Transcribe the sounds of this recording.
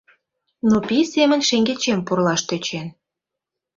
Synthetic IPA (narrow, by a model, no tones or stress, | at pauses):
nopisemənʲʃeŋɡet͡ɕempurlɑʃt̪øt͡ɕen